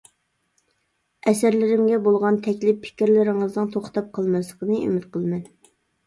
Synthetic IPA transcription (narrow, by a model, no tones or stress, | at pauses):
ɛsæɾlɪɾɪmɡʲɛbolˠʁɑnt̪ʰɛkʲlɪpʰːɪ̥kʲiɾlɪɾɪŋɨznɨŋt̪ʰoχt̪ɑp̚qʰəlˠmɨslˠəqənɨʔy̰mɪt̪qʰəlˠmɛn